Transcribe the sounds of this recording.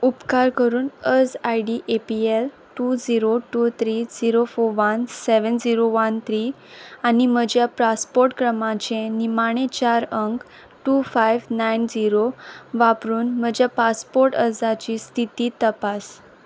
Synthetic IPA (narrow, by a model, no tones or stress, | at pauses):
upkaɾkəɾuːnəd͡zajɖiʔepiel | ʈud͡ziɾoʈut̪ʰɾid͡ziɾofoɾʋənseʋənd͡ziɾoʋənt̪ʰɾi | anim̤əd͡ʑjapɾaspoɾʈkɾəmãt͡ɕẽnimaɽ̃ẽt͡ɕaɾəŋk | ʈufajʋnajnd͡ziɾoʋapɾuːnm̤əd͡ʑjapaspoɾʈəd͡zat͡ɕiːst̪ʰit̪iːt̪əpas